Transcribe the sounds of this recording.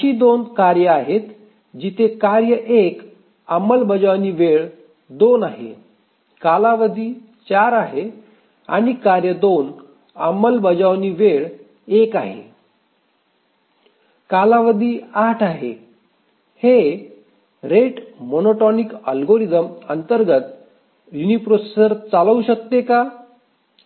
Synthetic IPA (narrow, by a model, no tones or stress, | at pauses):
iːd̪onkaɾjəaɦet̪ | d͡ʑit̪ʰekaɾjəʔek | əməlbəd͡ʑaʋniːʋeɭ | d̪onaɦḛ | kalaʋəd̪ʱiː | t͡ɕaɾaɦe | a̰ɽ̃ikaɾjəd̪on | əməlbəd͡ʑaʋniːʋeɭ | eka̰ɦḛ | kalaʋəd̪ʱiːaʈʰaɦḛ | he | ɾeʈmonoʈɔnikəlɡoɾid̪əmənt̪əɾɡət̪ | junipɾosesəɾt͡saləuɕək̚t̪eka